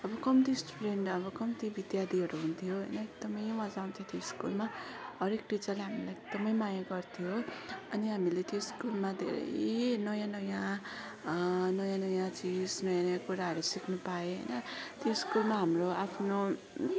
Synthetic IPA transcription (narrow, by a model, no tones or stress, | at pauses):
ʌbʌkʌmt̪isʈuɖeɳɖʌbʌkʌmt̪ibid̪jad̪iɦʌɾuɦunt̪ʰijoɦʌ̰jnʌek̚d̪ʌmʌjwãd͡zaw̃nt̪ʰjot̪joskulmaɦʌɾekʈit͡sʌrleɦamilaek̚d̪̥ʌmʌjmajaɡʌrt̪ʰijoʌniɦamilet̪joskulmad̪ʱḛɾʌ̰jnʌjãnʌjã | nʌjãnʌjãt͡sid͡znʌjãnʌjãkuɾaɦʌɾusiknupaeɦʌ̰jnʌt̪joskulmaɦamroapʰno